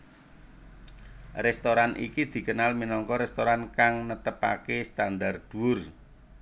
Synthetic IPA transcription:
rɛst̪oɾanʔḭkid̪̥i̤kənalminɔŋkɔɾɛst̪oɾankaŋnət̪əpa̰kest̪and̪ard̪̥uwʊr

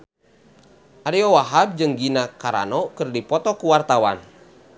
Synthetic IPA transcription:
ʔaɾiɔwaɦab̚d͡ʒɨŋɡinakaɾa̰nɔkɨrdipɔt̪ɔkuwart̪awa̰n

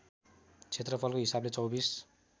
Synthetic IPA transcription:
t͡sʰet̪rʌpʰʌlkoɦisablet͡sʌwbis

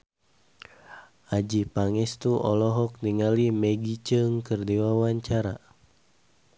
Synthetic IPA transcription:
ʔad͡ʒipaŋɛst̪uʔɔ̰lɔɦɔk̚niŋalimɛɡit͡ʃɨŋkɨrdiwawaɲt͡ʃaɾa̰

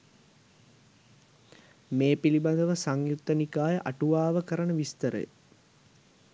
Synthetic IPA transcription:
meːpiliband̪əʋəsaŋjut̪ːənikaːjəʔaʈuʋaːʋəkəɾənəʋist̪əɾə̰jə̰

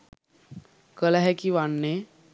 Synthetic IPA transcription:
kəlaɦɛkiːʋaɳːe

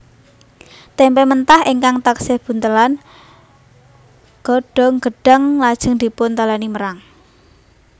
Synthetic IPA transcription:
t̪ɛmpɛmənt̪aheŋkaŋt̪aksɪhb̥ṳnt̪əlan | ɡ̥ɔ̤ɖ̥ɔ̤ŋɡ̥ə̤ɖ̥əŋlad̥ʒ̥ə̤ŋd̪̥i̤pʊnt̪alaniməɾaŋ

